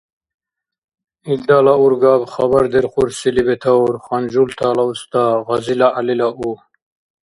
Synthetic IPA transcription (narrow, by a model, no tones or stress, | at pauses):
ild̪aːlauɾɡaːbχɐbɐɾd̪eɾχuɾsilibet̪ʰauɾχand͡ʑult̪ʰaːlaust̪aːʁɐzilaʔːlilaʔu